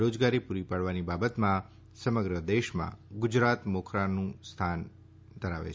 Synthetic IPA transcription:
ɾod͡ʒɡaɾipuɾipaɽʋanibabət̪mã | səməɡɾəd̪eʃmã̰ɡʊd͡ʒɾat̪mokʰɾanũst̪ʰan | d̪ʱəɾaʋḛt͡ʃʰ

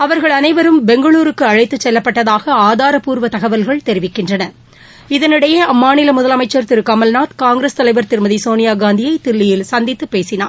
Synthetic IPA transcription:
ɐʋɐɾɣɐɭɐnɐɪʋɐɾɯmbɛŋɡɐɭuːɾɯkːɯɐɻɐɪt̪ːɯt͡ʃːɛlːɐpːɐʈːɐðaːɣɐaːðaːɾɐpuːɾʋɐt̪ɐɣɐʋɐlɣɐɭt̪ɛɾɪʋɪkːɪndrɐnɐ | ɪðɐnɪɽɐjɐɐmːaːnɪlɐmʊðɐlɐmɐɪt͡ʃːɐɾt̪ɪɾɯkːaːmɐlnaːt̪kaːŋɡɾeːst̪ɐlɐɪʋɐɾt̪ɪɾɯmɐðisoːnɪjaːɡaːnd̪ɪjɐɪt̪ɪɭːɪjɪlsɐnd̪ɪt̪ːɯpːeːsɪna̰ː

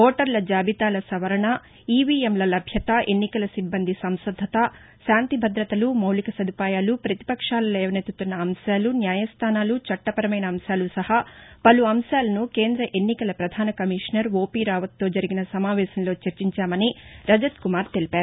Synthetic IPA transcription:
oːʈɐɾlɐd͡ʒaːbʱit̪aːlɐsɐʋɐɾɐɳɐ | iːʋiːemlɐlɐbʱjɐt̪aʔe̞nːikɐlɐsibːɐnd̪ʱisɐmsɐd̪ʱːɐt̪ɐ | ʃaːnt̪ibʱɐd̪ɾɐt̪ɐlumɐwlikɐsɐd̪ʱipaːjaːlupɾɐt̪i̥pɐkʂaːlɐlɛːʋɐnet̪ut̪unːɐːmʃaːlunjaːjɐst̪ʰaːnaːlut͡ʃɐʈːɐpɐɾɐmɐjnɐːmsaːlusɐhapɐluɐmʃaːlɐnukeːnd̪ɾɐʔe̞nːikɐlɐpɾɐd̪ʱaːnɐkɐmiʂnɐɾʋo̞ːpiːɾaːʋɐt̪ːoːd͡ʒɐɾiɡinɐsɐmaːʋɛːsɐnlo̞ːt͡ʃɐɾt͡ʃiɲt͡ʃaːmɐniɾɐd͡ʒɐt̪kumaːɾt̪e̞lipaːɾu

